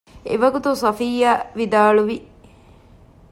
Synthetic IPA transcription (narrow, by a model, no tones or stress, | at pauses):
ḛʋɐɡut̪usɐfijaʋid̪aːluʋi